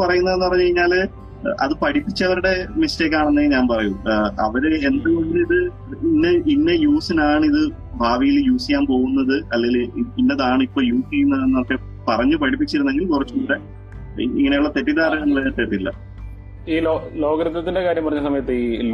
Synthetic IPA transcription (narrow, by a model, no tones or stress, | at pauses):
pɐrɐjunːɐðenːɨpɐrɐɲːukɐɾiɲːaːl | ʔɐ̰ðɨpɐʈipːit͡ɕːɐʋɐɾuɽe̞miste̞ːk̬ːaːɳenːeŋɡiɲaːnpɐrɐjuʔɐ̰ʋɐɾeend̪ɨmoɳɖiðɨ | inːeʔinːe̞juːsinaːɳɨiðɨ | bʱaːʋijiljuːsikʲaːmpo̞ːɣunːɐðɨɐlːeŋɡilinːɐðaːɳɨipːo̞ːljuːsiːunːɐðenːɐmɐkːe | pɐrɐɲːupɐʈʰipːit͡ɕːiɾunːe̞ŋɡilkurɐt͡ɕːukuːɽḛ | ḭŋːɐne̞juɭːɐt̪e̞tːiðaːɾɐnemːɐt̪ːeriilːɐ̰ | iːlolo̞ːɣɐɾɐt̪ːɐt̪ːinde̞kaːɾjɐmpɐrɐɲːɐsɐmɐjɐt̪ːɨiː